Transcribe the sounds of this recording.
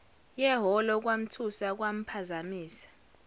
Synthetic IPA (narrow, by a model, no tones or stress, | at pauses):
jɛɦɔlɔk̬wam̩tʰusak̬wam̩pʰazamiːsḁ